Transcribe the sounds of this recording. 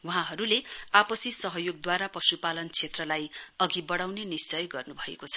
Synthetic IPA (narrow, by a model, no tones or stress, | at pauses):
wuɦãɦʌɾuleapʌsisʌɦʌjoɡ̚d̪waɾapʌsupalʌnt͡sʰet̪rʌlajʌɡibʌɽawnenist͡sʌjɡʌrnubʱʌḛkot͡sʰʌ̥